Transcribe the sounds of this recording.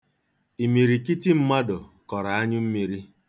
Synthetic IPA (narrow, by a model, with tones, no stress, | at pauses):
i˨mi˨ɾi˨ki˦ti˦m̩˦ma˦dʊ˨kɔ˨ɾa˨a˦ɲʊ˦m̩˦mi˨ɾi˦